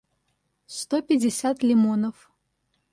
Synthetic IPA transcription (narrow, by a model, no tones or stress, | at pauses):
st̪opʲɪdʲɪsʲat̪lʲɪmonəf